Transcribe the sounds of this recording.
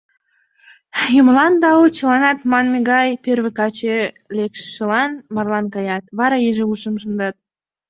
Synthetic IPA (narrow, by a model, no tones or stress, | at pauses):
jəməlˠɑnd̪ɑwut͡ɕəlˠɑnɑt̪mɑnmʲeɡɑjpʲeɾβekɑt͡ɕe | lʲekʃʃəlˠɑnmɑrlˠɑnkɑjɑt̪βɑɾɑjeʒeuʃəmʒənd̪ɑt̪̚